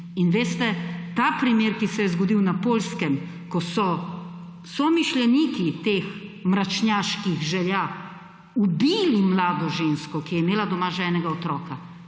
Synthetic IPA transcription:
inʋeːst̪ɛt̪aːpɾimjeːɾkisɛjɛzɡɔd̪iwnapoːlskɛm | kɔsɔ | sɔmiʃlʲjɛniːkit̪eːxmɾat͡ʃnjaːʃkiɣʒɛlja | ubiːlimlaːd̪ɔʒenskɔkijɛimeːlad̪ɔmaʒɛːnɛɡaot̪ɾɔːka

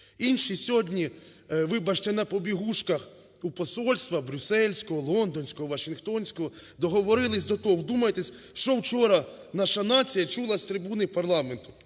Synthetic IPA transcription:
inʃisʲɔdʲnʲi | ʋɪbɐt͡ʃt͡ʃɐnɐpɔbʲiɦuʃkɐx | upɔsɔlʲst̪ʋɐbɾʲʊsɛlʲsʲkɔɦɔlˠɔnd̪ɔnʲsʲkɔɦɔʋɐʃɪnxt̪ɔnʲsʲkɔɦɔ | d̪ɔɦɔʋɔɾɪlˠɪs̬ʲd̪ɔt̪ɔɦɔwd̪umɐjet̪esʲ | ʃt͡ʃɔwt͡ʃɔɾɐ | nɑʃɐnɑt͡sʲijɐt͡ʃulˠɐsʲt̪ɾɪbunɪpɐrlˠɑment̪ʊ̥

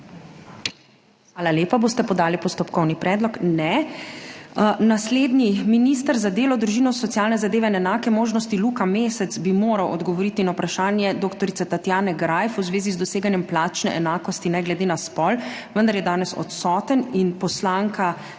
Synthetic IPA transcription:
ʋaːlaljeːpaboːst̪ɛpɔd̪aːlipɔst̪ɔpkɔwnipɾɛːd̪lɔknɛ | nasleːd̪niminiːst̪əɾzad̪eːlɔd̪ɾuʒiːnɔsɔt̪sijaːlnɛzad̪eːʋɛinɛnaːkɛmoːʒnɔst̪iluːkameːsɛt̪zbimoːɾɐwɔd̪ɡɔʋɔɾiːt̪inawpɾaʃaːnjɛd̪oːkt̪ɔɾit̪sɛt̪at̪jaːnɛɡɾaːjfuzʋeːzizd̪ɔseːɡanjɛmplaːt͡ʃnɛ̰ʔɛnaːkɔst̪inɛɡlɛd̪eːnaspɔlʋənd̪aɾjɛd̪aːnɛsɔ̰t̪sɔːt̪əninpɔslaːŋka

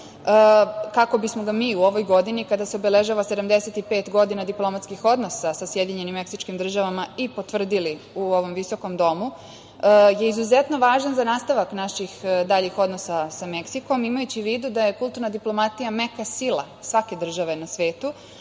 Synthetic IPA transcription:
əkako̞bismo̞ɡamiːuo̞ʋo̞jɡo̞d̪inikad̪aseobele̞ʒaʋase̞d̪amd̪e̞set̪ipe̞ːt̪ɡo̞d̪inad̪iplˠo̞mat̪skixo̞d̪no̞sasasje̞d̪iɲe̞nimːe̞ksit͡ʃkimd̪r̩ʒaʋamaipo̞t̪ʋr̩d̪ili | uo̞ʋo̞mʋiso̞ko̞md̪o̞mu | je̞izuze̞t̪no̞ʋaːʒanzanaːst̪aʋaknaʃixd̪aʎixo̞d̪no̞sasame̞ksiko̞mimajut͡ɕiʋiːd̪ud̪aje̞kulˠt̪uɾnad̪iplo̞mat̪ijame̞kasilˠa̰ | sʋake̞d̪r̩ʒaʋe̞nasʋe̞ːt̪u

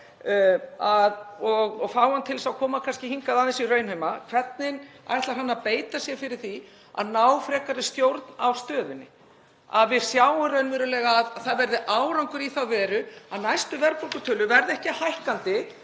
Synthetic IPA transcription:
aðɔɣɔɣfaːwhant̪ʰɪlsawkʰɔːmakʰanscɪhiŋkaðaðɪnsirœːɥnhʏmakʰv̥ɛt̪nɪna̰jɾ̥ht̪laɾhɦanːapeːjt̪asjɛfɪɾɪɾ̥θi | a̰ðnaːwfɾɛːkaɾɪst̪jowɾt̪navst̪œːðʏnːɪ̰ | aðvɪð̥sjaːwʏɾœɥnvɛːɾʏlɛːɣaðθaðvɛɾðɪʔaːwɾawŋkʏɾiθawvɛːɾʏaðnajst̪ʏvɛɾpɔkʏt̪ʰʏːlʏvɛɾðɪɛhcɪhajhkant̪ɪ

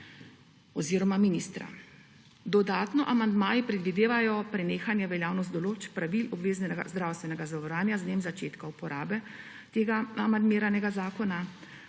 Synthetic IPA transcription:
ɔziːɾɔmaminist̪ɾa̰ | d̪ɔd̪aːt̪nɔʔamand̪maːjipɾɛd̪ʋid̪eːʋajɔpɾɛneːxanjɛʋɛljaːwnɔst̪d̪ɔloːt͡ʃpɾaʋilɔbʋeːznɛɛɡa̰zd̪ɾawst̪ʋɛnɛɡazaʋɔɾaːnjazneːmzat͡ʃeːt̪kaupɔɾaːbɛ | t̪eːɡaamand̪meːɾanɛɡazaːkɔna

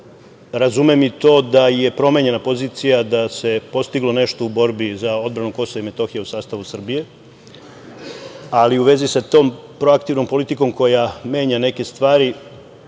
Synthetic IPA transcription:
ɾazumemit̪o̞ːd̪aje̞pɾo̞me̞ɲe̞napo̞ziːt̪sijad̪ase̞po̞st̪iɡlo̞ne̞ʃt̪o̞ubo̞ɾbizao̞d̪̚bɾanuko̞soʋaime̞t̪o̞xijeusaːst̪aʋusr̩bije̞ | aliuʋe̞zisat̪o̞ːmpɾo̞akt̪iʋno̞mpo̞lit̪iko̞mko̞jame̞ːɲane̞ke̞st̪ʋaːɾi

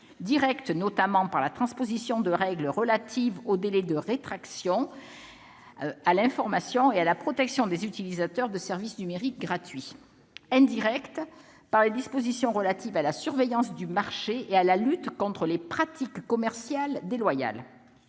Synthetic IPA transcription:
d̪iʁɛkt̪nɔt̪amɑ̃paʁlat̪χɑ̃spozisjɔ̃d̪əʁɛɡləʁəlat̪ʰivod̪elɛd̪əʁet̪χaksjɔ̃ | alɛ̃fɔʁmasjɔ̃ealapχɔt̪ɛksjɔ̃d̪ezyt̪ilizat̪œʁd̪əsɛʁvisnymeʁik̚ɡʁat̪ɥi | ɛ̃d̪iʁɛkt̪ | paʁled̪ispozisjɔ̃ʁəlat̪ivalasyʁvejɑ̃sd̪ymaʁʃeealalyt̪kɔ̃t̪χəlepχat̪ikːɔmɛʁsjald̪elwaja̰l

